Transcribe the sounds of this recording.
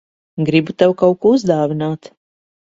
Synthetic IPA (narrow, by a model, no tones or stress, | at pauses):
ɡɾibut̪awkawkuːuzd̪aːvinaːt̪